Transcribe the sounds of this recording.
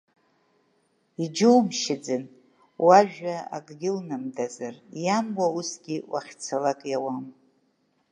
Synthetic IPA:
id͡ʒɨwmʃɪd͡zɨn | waʒᶣaa̰ɡʼɡʲɪlnamdazarjamwausɡʲiwaχʲt͡sʰalakʼjawam

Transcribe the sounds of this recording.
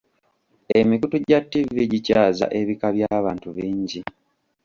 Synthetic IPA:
e̞mikutuɟatːiviɟicaaːza̰ʔe̞βikaβjaːβaːntuβiːɲɟi

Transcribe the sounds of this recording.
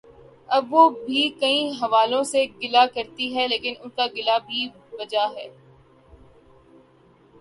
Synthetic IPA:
ɐbʋobʱikɐĩɦɐʋaːlõseɡɪlakɐɾt̪iɦɛleːkɪnʊnkaɡɪlabʱi | bɐd͡ʒaɦɛː

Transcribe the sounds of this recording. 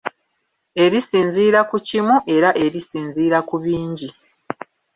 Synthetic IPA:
e̞ɾisiːnziːɾakucimuʔe̞ɾaʔe̞ɾisiːnziːɾakuβiːɲɟi

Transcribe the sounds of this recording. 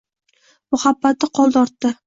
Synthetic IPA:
mʊhabːat̪ːɪqʰɒlˠd̪ɒɾt̪ːɪ

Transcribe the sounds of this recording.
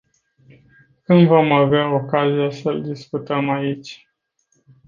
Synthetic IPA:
kɨnd̪vo̞maveao̞kazijasəld̪iskut̪əmait͡ʃʲ

